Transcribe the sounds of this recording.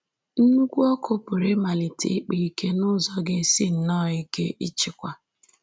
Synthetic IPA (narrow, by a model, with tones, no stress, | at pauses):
n̩˦ɡʷu˦ɔ˦kʊ˦pʊ˨ɾɪ˦ma˨li˨tḭ˨˦k͡pi˨i˦ke˦nʊ˦zɔ˦ɡe˦si˦n̩˨nɔ˦˨i˦ke˦ʔi˦t͡ʃɪ˨kʷa˨